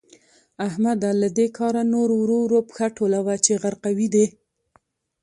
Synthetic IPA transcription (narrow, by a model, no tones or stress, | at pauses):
ahmad̪alad̪ekʰɑɾanoɾowɾoɾopxaʈolawat͡ʃeɣaɾqawid̪e